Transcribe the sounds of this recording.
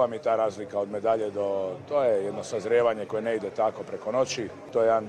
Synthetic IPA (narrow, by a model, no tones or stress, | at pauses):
amit̪aːɾaːzlikaod̪me̞d̪aʎed̪o̞t̪oːjejed̪nosazɾjeːʋaɲeko̞jeneid̪et̪ako̞pɾeko̞no̞t͡ɕi | t̪ojean